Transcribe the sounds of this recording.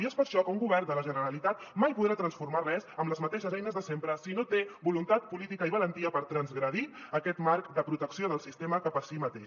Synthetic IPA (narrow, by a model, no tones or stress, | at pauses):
iespəɾʃɔkəuŋɡuβɛrnd̪ələʒənəɾəlit̪at̪majpuðɾat̪ɾənsfuɾmarɛzəmləzmət̪eʃəzɛjnəzðəsempɾəsinot̪ebulunt̪at̪̚pulit̪ikəiβələnt̪iəpəɾt̪ɾənzɣɾəð̞iəkɛt̪maɾkd̪əpɾut̪əksioðəlˠsist̪eməkapəsimət̪eʃ